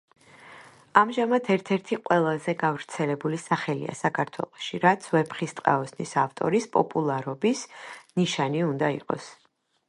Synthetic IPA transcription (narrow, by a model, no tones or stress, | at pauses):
amʒamat̪ʰɛɾt̪ʰɛɾt̪ʰiqʼwɛlˠazɛɡavɾt̪sʰɛlɛbulisaχɛlḭa̰sakʰaɾt̪ʰwɛ̰lˠɔʃiɾat̪sʰvɛpχist̪ʼqʼa̰ɔsnisaft̪ʼɔ̰ɾispʼɔ̰pʼulˠaɾɔbisniʃaniund̪aḭqʼɔ̰s